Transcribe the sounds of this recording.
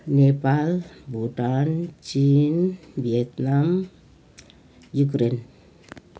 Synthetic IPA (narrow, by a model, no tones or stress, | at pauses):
nepalbutant͡ʃinbiet̪nam | jukɾen